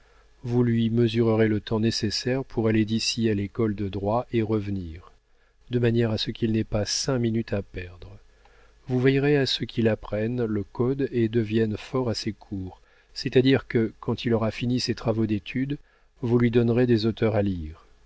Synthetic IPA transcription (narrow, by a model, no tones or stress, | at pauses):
vulɥiməzyʁəʁelət̪ɑ̃nesesɛʁpʰuʁaled̪isialekɔld̪əd̪ʁwaʔeʁəvniːʁ | d̪əmanjɛʁasəkʲʰilnɛpasɛ̃minyt̪apɛʁd̪ʁə | vuvɛjʁeasəkʲʰilapχɛnləkɔd̪ed̪əvjɛnfɔʁasekʰuːʁ | sɛt̪ad̪iʁkəkɑ̃t̪ʰilɔʁafiniset̪χavod̪et̪ʰyd̪ | vulɥid̪ɔnʁed̪ezot̪ʰœʁaliːʁ